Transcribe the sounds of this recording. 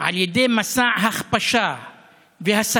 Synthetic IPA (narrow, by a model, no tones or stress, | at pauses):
ʕaljad̪eːmasaːʕɦaxpaʃaː | vehasa